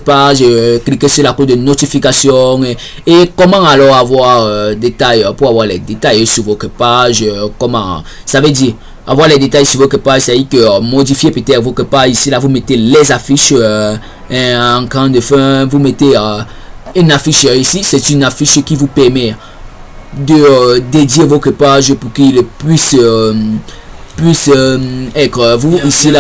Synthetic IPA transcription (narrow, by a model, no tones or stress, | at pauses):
paʒəklikesyʁlakod̪ənot̪ifikasjɔ̃e | ekɔmãalɔʁavwaʁød̪et̪ajpuʁavwaʁlɛd̪et̪ajsyvokepaʒəkɔmã | saved̪iʁ | avwaʁlɛd̪et̪ajsyvokepaʒsaikømod̪ifjepet̪ɛt̪vokepaʒisilavumet̪elɛzafiʃ | ɛ̃ɑ̃kɑ̃d̪əfɛ̃vumet̪e | ynafiʃisisɛt̪ynafiʃkʲivupɛʁmɛ | d̪əd̪ed̪jevot̪χəpaʒpuʁkilpɥis | pɥis | ɛt̪χəvuisila